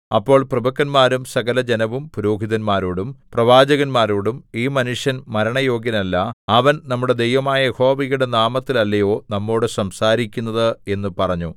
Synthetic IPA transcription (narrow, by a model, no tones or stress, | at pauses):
ɐpːo̞ːɭprɐbɐkːɐnmaːɾumsɐɣɐlɐd͡ʑenɐʋumpuɾo̞ːɦiðɐnmaːɾoːɽumprɐʋaːd͡ʑɐɣɐnmaːɾoːɽumiːmɐnuʂjɐnmɐɾɐɳɐjo̞ːɡjɐnɐlːɐɐʋɐnnɐmːuɽe̞d̪ejʋɐmaːjɐho̞ːʋiɣuɽenaːmɐt̪ːilɐlːɐjo̞ːnɐmːo̞ːɽɨsɐmsaːɾikʲːunːɐðɨe̞nːupɐrɐɲːu